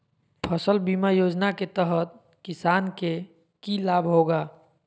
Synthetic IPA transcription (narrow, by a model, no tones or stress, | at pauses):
pʰəsəlbimajod͡ʒnaket̪əɦət̪̚ | kɪsaːnke | kilabʱɦoɡa